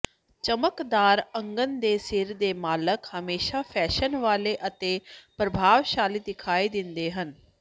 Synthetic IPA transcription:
t͡ʃəməkd̪aːɾə̃ŋɡənd̪eːsɪɾd̪eːmaːləkhəmeːʃaːpʰɛːʃənʋaːleːʔət̪eːpɾəbʱaːʋʃaːliːd̪ɪkʰaːiːd̪ɪ̃nd̪eːɦən

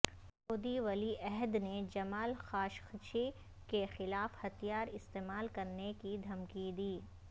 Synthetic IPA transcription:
soːd̪iʋɐliʔɛɦd̪ned͡ʒɐmaːlxaːʃxt͡ʃʰi | kexɪlaːfhɐt̪ijaːɾɪst̪eːmaːlkɐɾnekid̪ʱɐmkid̪iː

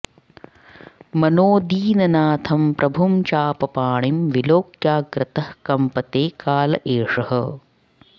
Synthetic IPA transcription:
mɐnoːd̪iːnɐnaːt̪ʰɐmpɾʔɐbʱumt͡ʃaːpɐpaːɳimʋiloːkjaːɡɾɪt̪ɐhkɐmpɐt̪eːkaːlɐʔeːʂɐhɐ̆

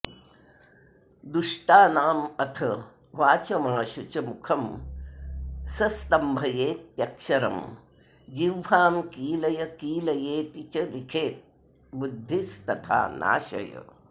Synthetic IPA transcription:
d̪uʂʈaːnaːmɐt̪ʰɐ | ʋaːt͡ʃɐmaːʃut͡ʃɐmukʰɐm | sɐst̪ɐmbʱɐjeːt̪jɐkʃɐɾɐ̰m | d͡ʒiwʋaːmkiːlɐjɐkiːlɐjeːt̪it͡ʃɐlikʰeːt̪̚ | bud̪ʱːist̪ɐt̪ʰa̰ːna̰ːʃɐ̰jɐ̰

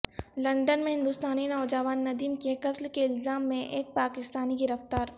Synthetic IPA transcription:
lɐ̃ɳɖənmẽɦɪ̃nd̪ʊːst̪aːninɔːd͡ʒɐʋaːnːɐd̪iːmkekɐt̪lkeɪlzaːmːẽʔeːk̚paːkɪst̪aːniɡɪɾɐft̪aːɾ

